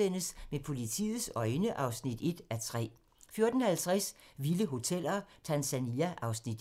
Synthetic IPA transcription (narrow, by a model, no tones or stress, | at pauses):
en̰əsmepʰo̝lit͡sʰḭːð̩ˠsɒ̽ɪnəʔɑ̈ʊsnid̥e̝d̥æt͡sʰʁɛ̰ː | fjo̝ɐd̥n̩hælt͡sʰʁasʋiləɦo̝t͡sʰel̰ɐt͡sʰænsæniæʔɑ̈ʊsnid̥